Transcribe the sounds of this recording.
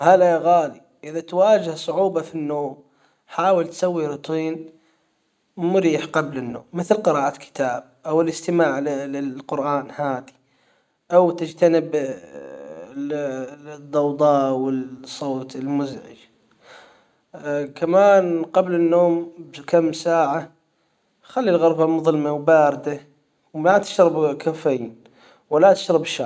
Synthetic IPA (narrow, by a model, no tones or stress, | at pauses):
halajaɣaːli | ʔɪðat̪waːd͡ʒɪhsˤʊʕuːbɑfinːoːm | ħaːwɪlt̪sawːiɾʊt̪ˤiːn | mʊɾiːħqɑblɪnːo̰ːmːɪθlqɨɾˤɑːʔat̪kʰɪ̥t̪aːb̚ʔawɪlɪst̪ɪmaːʕlɪlɪqʊɾʔaːnhaːd̪i̥ | ʔawt̪ɪd͡ʒt̪anɪb | d̪ˤːɑwd̪ˤɑːwɪlsˤːoːt̪ɪlmʊzʕɪ̰d͡ʒ | kʰamaːnqɑblɪnːoːmbkamːsaːʕa | xalːilɣɑɾˤbamʊðˤlmawbaːɾɪd̪a | wmat̪ɪ̥ʃɾɑbkʰafan | walat̪ɪ̥ʃɾɑbʃa